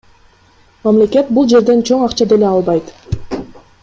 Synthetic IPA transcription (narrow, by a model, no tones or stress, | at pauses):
mamle̞ke̞t̪̚bulˠd͡ʒe̞ɾd̪e̞nt͡ʃʰo̞ɴɑqt͡ʃɑd̪ele̞ɑlˠbɑjt̪